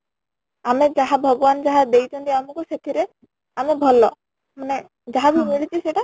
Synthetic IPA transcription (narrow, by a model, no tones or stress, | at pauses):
amed͡ʒaɦabʱɔɡɔband͡ʒaɦad̪ejt̪ʰɔnt̪iamukuset̪ʰiɾe | amebʱɔlɔ | mane | d͡ʒaɦabimiɭit͡ʃʰiseʈa